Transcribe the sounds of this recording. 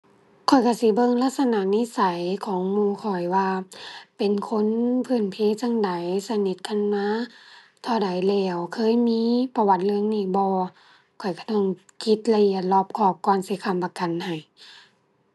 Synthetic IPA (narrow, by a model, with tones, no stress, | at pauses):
kʰɔ˨˩jka˧˩si˧˦bɤ˧˨ŋla˧˥t̪̚sa˧na˧˩niː˧˥˨sa˨˦jkʰɔː˨˦ŋmuː˧˨kʰɔ˨˩jwaː˧pe˨nkʰo˧˥˨npʰɯ˧˩˨npʰeː˧˥˨t͡ɕa˧˨ŋda˨˦jsa˧ni˧˦t̪̚kʰa˧˥˨nmaː˧˥˨ | t̪ʰɔː˧˩da˨˦jlɛː˧˩wkʰɤː˧˥˨jmiː˧˥pa˧wa˧˦t̪̚lɯ˧əŋniː˧˩bɔː˧˦ | kʰɔ˨˩jka˧˩t̪ɔ˧˩ŋ | kʰi˧˦t̪̚la˧ʔi˧˩˨ət̪̚lɔː˧˩p̚kʰɔː˧˩p̚kɔː˧˨nsi˧˦kʰa˧˩˨mpa˧ka˨nha˨˩j